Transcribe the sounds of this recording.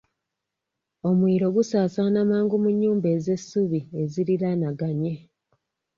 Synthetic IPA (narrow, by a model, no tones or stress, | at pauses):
o̞mwiːɾo̞ɡusaːsanamaːŋɡumuɲːuːmbe̞ːze̞suβie̞ziɾiɾanaɡaɲe̞